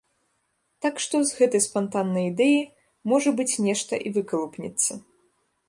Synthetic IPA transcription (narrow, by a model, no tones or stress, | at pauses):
t̪akʂt̪ɔzɣɛt̪ɐjspant̪anːɐjid̪ɛji | mɔʐɐbɨt͡sʲnʲɛʂt̪ɐʔivɨkɐlˠupnʲɛ̰t̪sːɐ